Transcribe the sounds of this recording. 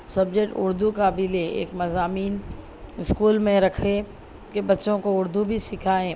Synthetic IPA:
sɐbd͡ʒekʈʊ̰ɾd̪ukaːbiːleḛːkmɐzaːmiːn | ɪskuːlmẽɾɐkʰe | kebɐtːʃõkoʊɾd̪ubʱisɪkʰaẽː

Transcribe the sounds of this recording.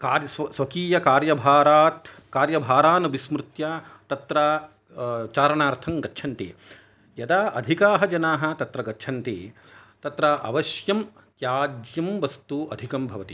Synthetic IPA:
kaːɾjɐssʋɐkiːjɐkaːɾjɐbʱaːɾaːt̪ | kaːɾjɐbʱaːɾaːnɐʋismɾɪt̪jat̪ɐt̪ɾɐ | t͡ʃaːɾɐɳaːɾt̪ʰɐŋɡɐtːʃʰɐnt̪ḭ | jɐd̪aːʔɐd̪ʱikaːɦɐd͡ʒɐnaːɦɐ̆t̪ɐt̪ɾɐɡɐtːʃʰɐnt̪ḭ | t̪ɐt̪ɾɐʔɐ̰ʋɐʃjɐm | k̪jaːd͡ʒjɐmʋɐst̪uʔɐd̪ʱikɐmbʱɐʋɐt̪i

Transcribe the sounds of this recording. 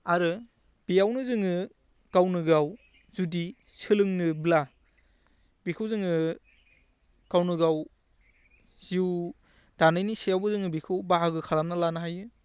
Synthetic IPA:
aɾɯ | b̥ijawnɯzɯŋɯ | ɡ̥awnɯɡaw | zudi | sɯlɯŋnɯbla | bikʰɯwzɯŋɯ | ɡ̥awnɯɡaw | z̥iw | d̥anɯjnisijawbɯzɯŋɯbikʰɯwbaɦaɡɯkʰalamnalanaɦajɯ

